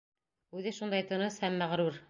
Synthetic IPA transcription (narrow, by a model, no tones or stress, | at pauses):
ʉðɘʃund̪ɑjt̪ɤ̆nɤshæmːæʁɾuɾ